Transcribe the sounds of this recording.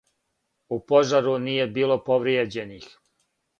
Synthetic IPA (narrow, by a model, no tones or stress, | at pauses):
upo̞ʒaɾuniːje̞biːlo̞po̞ʋɾjed͡ʑe̞nix